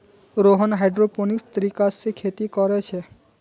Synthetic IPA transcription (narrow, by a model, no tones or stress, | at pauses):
ɾoːɦənɦaɪɖɾoponɪkst̪əɾiːkasekʰeːt̪ikɔɾɛt͡ʃʰe